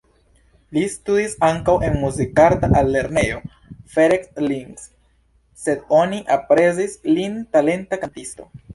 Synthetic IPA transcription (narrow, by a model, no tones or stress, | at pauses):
listudisaŋkawʔe̞nmuzikaɾtaʔalːe̞ɾne̞jo̞ | fe̞ɾeksliŋɡsː | e̞do̞niʔapɾe̞zislintale̞ntakantisto̞̰